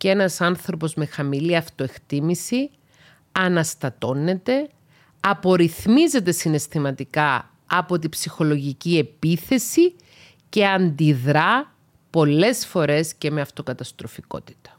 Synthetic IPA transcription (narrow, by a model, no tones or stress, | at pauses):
ce̞nɐsɐnθɾo̞po̞zme̞xɐmiliɐft̪o̞e̞kt̪imisi | ɐnɐst̪ɐt̪o̞nːe̞t̪e̞ | ɐpo̞ɾiθmize̞t̪e̞sine̞st̪imɐt̪ikɐ | ɐpo̞t̪ibsixo̞lo̞ʝicie̞piθe̞si | ce̞ɐnd̪iðɾɐ | po̞lːe̞sfo̞ɾe̞sce̞me̞ɐft̪o̞kɐt̪ɐst̪ɾo̞fiko̞̰t̪i̥t̪ɐ̥